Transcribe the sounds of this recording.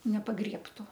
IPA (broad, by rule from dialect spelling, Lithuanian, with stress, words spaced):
nʲɛpɐˈɡrʲiɛptʊ